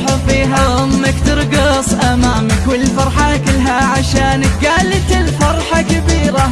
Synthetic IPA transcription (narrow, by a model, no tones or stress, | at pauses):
ħafiːɦamːakt̪ɨɾɡɑsˤʔamaːmkɪlfɑɾˤħɑkɪlɦaʕaʃaːnɪɡaːlt̪ɪlfɑɾˤħɑkɪbiːɾa